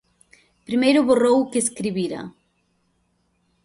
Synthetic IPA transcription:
pɾimejɾʊβorowkeskɾiβiɾɐ̰

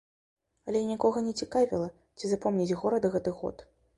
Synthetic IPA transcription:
ɐlʲɛinʲikɔɣɐnʲɛt͡sʲikavʲḭlˠɐ | t͡sʲizapɔmnʲid͡zʲɣɔɾɐd̪ɐɣɛt̪ɨɣɔ̰t̪

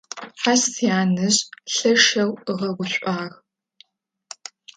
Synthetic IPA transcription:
ħaɕijaːnɨɕʼɬɐʂɐwɨʁɐɡʷʊɕʷʼaːɣ

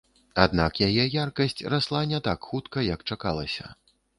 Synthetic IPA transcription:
ad̪nakjajɛjarkɐsʲt͡sʲraslˠanʲɛt̪akxut̪kɐjɐkt͡ʂakalˠɐ̰sʲɐ̰

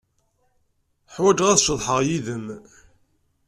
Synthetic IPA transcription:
ħwæd͡ʒʁæðʃəðˤħəʁjiðəm

